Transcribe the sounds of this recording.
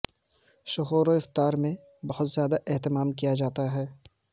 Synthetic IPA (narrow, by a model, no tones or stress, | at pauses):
ʃʊɦoːɾoɪft̪aːɾmẽ | bɐhʊt̪z̥jaːd̪aʔɛɦt̪ɪmaːmkijad͡ʒaːt̪aɦɛː